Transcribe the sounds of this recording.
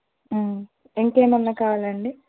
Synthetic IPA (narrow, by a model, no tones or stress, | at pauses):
eŋkeːmɐnːɐkaːlɐɳɖi